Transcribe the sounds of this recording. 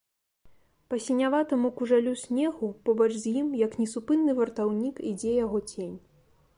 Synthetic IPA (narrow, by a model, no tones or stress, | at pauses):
pɐsʲinʲavat̪ɐmukuʐalʲusʲnʲɛɣupɔbɐt͡ʂzʲjimjɐknʲɛsupɨnːɨvɐrt̪awnʲikid͡zʲɛjaɣɔt͡sʲenʲ